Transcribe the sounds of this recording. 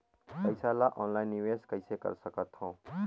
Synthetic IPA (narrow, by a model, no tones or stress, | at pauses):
pəjsalaʔɔnlaɪnːiʋeskəjsekə̰ɾsəkət̪ɦɔ̃